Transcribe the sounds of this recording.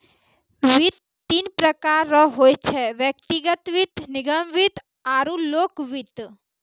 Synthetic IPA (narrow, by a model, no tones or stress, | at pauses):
ʋɪt̪ːinpɾəkaːɾːɔɦoːjt͡ʃʰɛʋjək̚t̪iɡət̪ʋɪt̪nɪɡəmʋɪt̪ | aːɾũloːkʋɪt̪